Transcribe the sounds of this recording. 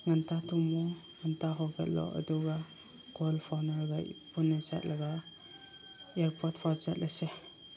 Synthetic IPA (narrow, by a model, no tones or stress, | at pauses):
ŋantʰatʰumɔŋantaɦɔɡɛt̚lɔ̰ʔə̰duɡa | kʰɔlpʰawnaɾɡa̰pʰunːeza̰t̚laɡa | eɾpʰɔt̚pʰɔzat̚lʔase